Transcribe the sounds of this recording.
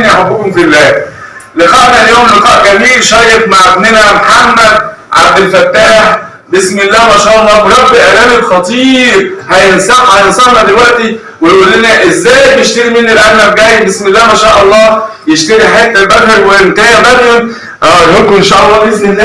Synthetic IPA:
niʔaħabːʊkomfilːæːleqɑːʔnæljoːmleqɑːʔɡæmiːlʃɑːjefmaʕebnenæmħamːæd̪̚ | ʕa̰b̚d̪elfæt̪ːaːħ | besmelːæːmæʃæːʔɑlˤːɑːweɾæbːeʔælæːmelxɑt̪ˤiːɾhæjensæħhæjensæhnæd̪elwæʔt̪i | wejʔulːenæʔezːæːjbjeʃt̪æɾimenːilʔænːæbɡæːjbesmelːæːhmæʃæːʔɑlˤːɑːbjeʃt̪eɾiħajæːt̪elbæd̪hækwent̪æːjæbæd̪i | ʔæːnokoenʃæːʔɑlˤːɑːbesmenːæ

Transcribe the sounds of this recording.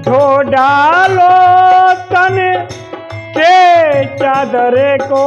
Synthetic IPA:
d̪ʱoɖaːlo | st̪ɐne | ket͡ʃãːd̪ɐɾeːko

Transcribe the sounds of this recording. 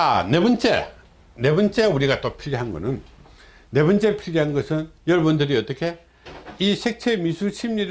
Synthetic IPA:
anebʌnt͡ɕ͈e̞ | ne̞bʌnt͡ɕ͈e̞uɾiɡat͈opʰiɾiɦanɡʌ̰nɯnː | e̞bʌnt͡ɕ͈e̞pʰiɾiɦanɡʌsʰɯnjʌɾʌbɯndɯɾiʌt͈ʌkʰe̞ | isʰe̞k̚t͡ɕʰemisʰuɕʰimɲiɾ

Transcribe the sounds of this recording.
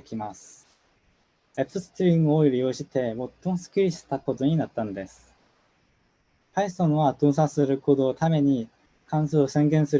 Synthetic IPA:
kʲimasɨ̥ | epːɯsɨ̥t̪ɯɾʲĩŋɡɯoiɾʲijo̞ːɕit̪e̞mo̞t̪ːo̞mosɨ̥kʲiɾʲiɕi̥t̪ako̞t̪o̞ɲ̟inat̪ːanod̪e̞sɨ̥ | paisõɰ̃βat̪o̞ːs̬asɨɾɯ̟ko̞ːd̪o̞ːt̪ame̞ɲ̟i | kãɰ̃soːsẽ̞ŋɡẽɰ̃sɨɾ

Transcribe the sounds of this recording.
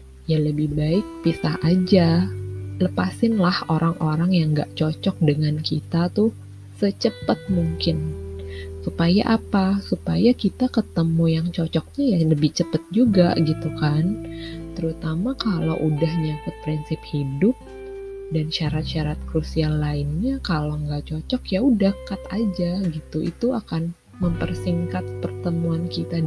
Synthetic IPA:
jaləbɪhbaɪk̚pisaɦʔad͡ʒa | ləpasɪnlahoɾaŋʔoɾaŋjaŋɡaʔt͡ʃɔt͡ʃɔk̚dəŋankit̪at̪ʊ | sət͡ʃəpət̪̚muŋkɪn | supaja̰ʔapasupajakit̪akət̪əmujaŋt͡ʃɔt͡ʃɔk̚ɲajaləbɪht͡ʃəpət̪̚d͡ʒuɡaɡit̪ukant̪əɾut̪amakalo̰wʔudahɲakʊt̪̚pɾinsɪphidʊp̚ | danʃaɾat̪̚ʃaɾat̪̚kɾusialaɪnɲakaloŋɡaʔt͡ʃɔt͡ʃɔkjaudahkat̪ad͡ʒaɡit̪uʔḭt̪uakan | məmpərsiŋkat̪̚pərt̪əmuankit̪a

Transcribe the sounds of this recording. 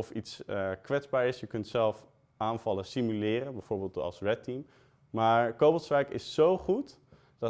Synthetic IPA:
ɔfitskʋɛdzbaːɹɪsjəkɵntsɛlˠf | ʔaːnv̥ɑləsimylɪːrənbɛjv̥oːɹbeːlˠtɑ̰lˠsrɛtim | maːɹkowbɔlˠsʋɛjkɪ̰sːowχut | d̥ɑ

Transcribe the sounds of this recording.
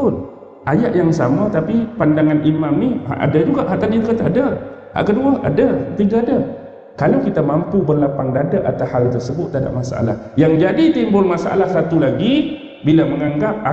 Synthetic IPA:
ʊn | ʔajaʔjaŋsamət̪apipandaŋanʔimamniha̰ʔa̰dad͡ʒuɡaʔɦaʔt̪adikət̪adə | ha̰ʔkəduaa̰dət̪iɡaadə | kalawkit̪amampubərlapaŋdadaʔa̰t̪ashalt̪ərsəbʊt̪ːada̰ʔmasa̰ʔa̰la̰hjaŋd͡ʒadit̪imbʊlmasaʔa̰lahsat̪ulaɡi | bilaməŋaŋɡap̚a

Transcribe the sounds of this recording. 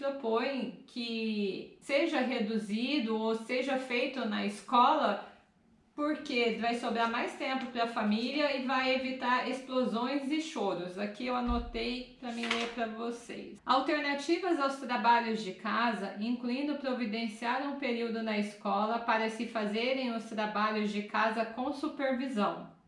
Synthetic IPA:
pɾopõj̃kʰɪ | seʒɐɦed̪uzid̪ʊoseʒɐfejt̪ʊnɐɪskɔlɐ | poɾkevajsobɾaɾmajst̪ẽmpʊpɾɐfamiliɐɪvajevit̪aɾesplozõj̃zɪʃoɾʊzakiewanot̪ejpɾɐmĩj̃epɾɐvosḛjsawt̪eɾnat͡ʃivɐzawst̪ɾabaʎʊzd͡ʒɪkazɐĩŋkluĩnd̪ʊpɾovid̪ẽsiaɾũpeɾiwd̪ʊnɐɪskɔlɐpaɾɐsɪfazeɾẽj̃ʊst̪ɾabaʎʊzd͡ʒɪkazɐkõw̃supeɾvizɐ̃w̃

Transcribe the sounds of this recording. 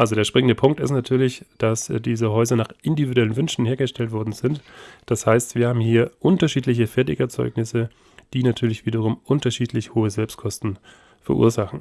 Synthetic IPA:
ʔalzodeːɐʃpʁ̥ɪŋəndəpʰʊŋk̚tɪstnatʰyːɐlɪçd̥asd̥iːzəɦɔʏzɐnaːχʔɪndividuɛlənvʏnʃn̩heːɐɡəʃtʰɛltv̥ɔɐdn̩zɪntd̥ashaɪstv̥iːɐhaːbm̩hiːɐʔʊntɐʃiːtlɪçəfɛɐtɪçɛɐt͡sɔ̰ʏknɪsə | d̥iːnatʰyːɐlɪçv̥iːdɐʁʊmʔʊntɐʃiːtʰlɪçhoːəzɛlpstkʰɔstn̩ | fɛɐʔṵːɐzaχn̩

